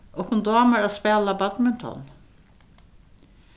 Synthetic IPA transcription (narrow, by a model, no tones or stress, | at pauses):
ɔkhʊnd̪ɑːməɾaspæːlabad̪mɛnt̪ʰɔ̰l